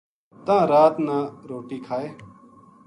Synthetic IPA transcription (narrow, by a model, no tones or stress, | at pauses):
t̪ãːɾaːt̪nãːɾoːʈiːkʰaːeː